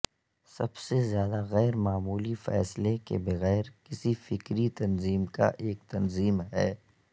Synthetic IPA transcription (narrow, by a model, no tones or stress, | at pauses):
sɐbsezjaːd̪aɣɛːɾmaːmuːlifɛ̰ːslekḛbɐɣɛːɾkɪsifɪkɾit̪ɐnziːmka̰ʔeːk̚t̪ɐnziːmɦɛː